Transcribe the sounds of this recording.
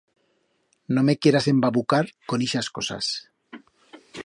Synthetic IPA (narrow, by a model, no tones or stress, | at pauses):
nomekjeɾasembaβukaɾkoniʃaskosa̰s